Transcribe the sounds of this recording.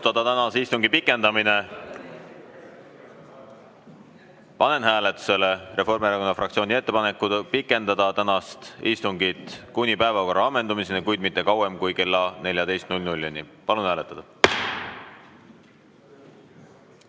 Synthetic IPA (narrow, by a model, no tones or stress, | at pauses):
t̪ɑd̪̥ɑt̪ænɑsist̪uŋɡ̥ipikːˑe̞nd̪̥ɑmine̞ | pɑne̞nɦæːle̞t̪ːˑu̥se̞le̞re̞fo̞rmieɾɑko̞nːɑfrɑk̪sio̞ːnie̞t̪ːe̞pɑne̞kːˑupikːˑe̞nd̪ɑd̪ɑt̪ænɑst̪ḭst̪uŋɡit̪kunʲipæe̞vɑko̞rːɑɑmːe̞nd̪umisenikujd̪mit̪ːe̞kɑwe̞mkujke̞lːɑne̞ljɑd̪e̞jst̪nulʲnulʲːunipɑlunhæːlet̪ːˑɑd̪ɑ